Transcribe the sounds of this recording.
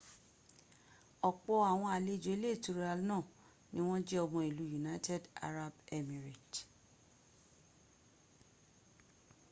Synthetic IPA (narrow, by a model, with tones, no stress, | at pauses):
ɔ˨k͡pɔ˧a˨w̃ɔ̃˧a˨le˨˦˨d͡ʒo˨˦i˦le˦˨tu˧ɾa˧lnãː˦˨ | nĩ˦w̃ɔ̃˦d͡ʒɛ˦ɔ˧mɔ̃˧i˨lu˨˦ju˨na˦tʰɛ˦da̰˧ɾa˦bɛ˦mĩ˨ɾi˨t